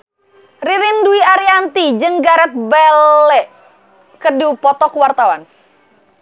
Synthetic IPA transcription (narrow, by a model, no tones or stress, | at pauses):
riɾinduiaɾiant̪id͡ʒəŋɡaɾɛt̪̚bɛlɛʔ | kərdiupɔt̪ɔkuwart̪awan